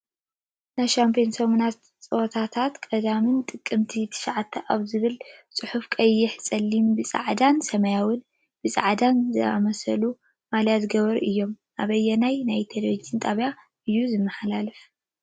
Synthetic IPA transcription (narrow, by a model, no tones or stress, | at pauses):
najʃampʰionsɐmunat̪ | t͡sʼot̪ʰat̪ʰat̪kʼɐd̪amɨnt̪ʼɨkʼːɨmt̪ʰit̪ʰɨ̥ʃaʕat̪ʰːɐʔaβzɨβɨlt͡sʼɨħufkʼɐjːɪħsʼɐlːimbɨsʼa̰ʕd̪ansɐmɐjawɨn | b̥ɨsʼa̰ʕd̪anzɨa̰mɐsɐ̰lu | maljazɨɡɐβɐɾʔɨjːo̞m | ʔaβɐjːɛnajnajt̪ʰɐd̪ɾod͡ʒɨnt̪ʼaβja | ɨjːuzɨmːɐħalalɨf